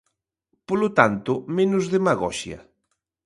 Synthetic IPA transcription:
polʊt̪ant̪ʊmenʊzðemaɣɔ̰ʃjɐ̰

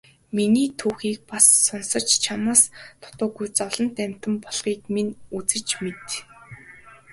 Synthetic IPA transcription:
miniːt̪ʰuːxiːk̚pasːɔnsə̆t͡ɕt͡ɕʰamaːst̪ʰʊ̥t̪ʊːɡujt͡sɔɮɞ̆nt̪æm̥ʲt̪ə̆mpɔɮχiːkmenut͡sɘ̆t͡ɕmet̪

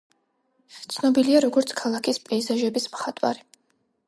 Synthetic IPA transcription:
t̪sʰnɔbiliaɾɔɡɔɾt̪sʰkʰalˠakʰispʼɛːzaʒɛbismχat̪ʼwa̰ɾi

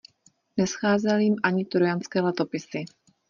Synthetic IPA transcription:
nɛsxaːzɛljimʔaɲɪt̪ɾojant͡skɛːlɛt̪o̞pɪsɪ

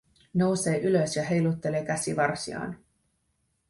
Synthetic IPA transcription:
no̞wse̞ːʔyløsjɑɦe̞jlut̪ːe̞leːkæsiʋɑrsiɑ̰ːn

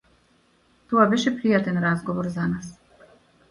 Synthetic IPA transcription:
t̪ɔabɛʃɛpɾijat̪ɛnɾazɡɔvɔɾzanas

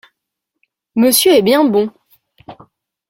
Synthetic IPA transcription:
məsjøɛbjɛ̃bɔ̃

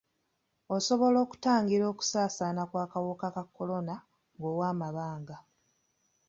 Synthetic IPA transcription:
o̞so̞βo̞lo̞ːku̥taːŋɡiɾo̞ːku̥saːsaːnakwaːkawokakakːo̞lo̞na | ŋɡoːwaːmaβaːŋɡa

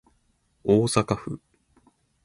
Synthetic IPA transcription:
oːsakaɸɯ̰

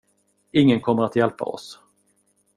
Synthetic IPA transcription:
ɪŋːənkʰɔmːəɾat̪jɛlpa̰ɔ̰s

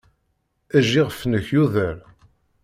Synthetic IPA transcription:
æʒːiʁəfnəçjuðæɾ

